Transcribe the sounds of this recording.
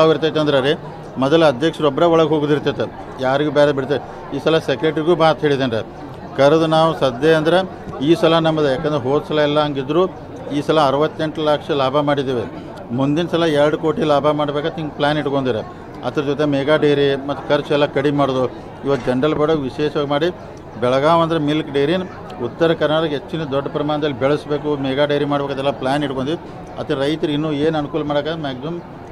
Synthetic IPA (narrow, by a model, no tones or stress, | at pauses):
aːʋiɾt̪aːt̪ːeɐnd̪ɾɐɾi | mɔd̪ɐlɐd̪ʱjɐkʂɐɾɔbːɐɾeʋɔɭɐɡɦo̞ːɡud̪iɾt̪et̪ːe | jaːɾiɡuːbɛːɾebiɽt̪e | iːsɐlɐsekɾeːʈɾiɡuːbaːt̪ɦeːɭid̪enɾe | kɐɾɐd̪unaːʋusɐd̪eɐnd̪ɐɾe | iːsɐlɐnɐmːɐd̪jaːkeɐnd̪ɾeɦoːd̪sɐlɐɛlːɐɦɐŋɡid̪ɾuː | iːsɐlɐːɾɐʋɐt̪ːeɳʈlakʂɐlaːbʱɐmaːɽid̪iːʋi | mund̪inɐsɐlɐɛɾɐɽuko̞ːʈilaːbʱamaːɽbeːkat̪iŋɡplaːniʈːɡond̪iɾe | ɐ̰t̪ɐɾɐd͡ʒɔt̪emɛɡaːɖejɾimɐt̪ːu̥kʰɐɾt͡ʃɛlːɐkɐɽimaːɽoːd̪u | iʋɐt̪ːd͡ʒɛɳɖɐlbeɽoːʋiʃɛːʂɐʋaːɡʲmaːɽi | bɛɭɐɡaːʋɐnd̪ɐɾemilkɖejɾin | ut̪ːɐɾɐkɐɾnaːɽɐɡet͡ʃːined̪ɔɖːɐpɐɾɐmaːɳɐd̪ɐlːibɛɭɐsbe̞ːkumɛɡaːɖejɾimaːɽbekad̪ɛlːaplaːniʈkond̪i | ɐt̪ɾɐjt̪ɐɾinːuːeːnɐnukuːlɐmaːɽekaːd̪emaːɡzɐm